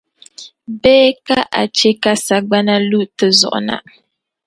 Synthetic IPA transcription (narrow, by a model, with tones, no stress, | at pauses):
bɛː˦ka˦ʔa̰˨t͡ʃɛ˦ka˦sa˨ɡ͡ba˦na˦lu˦tɨ˦zɔ̰˨ʔʊ̰˨na̰˨